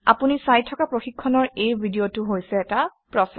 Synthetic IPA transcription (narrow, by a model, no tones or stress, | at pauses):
a̰punisajtʰːɔkapɹoxikʰːɔnɔɹejbʱidiotuɦojsɛːtapɹɔsɛ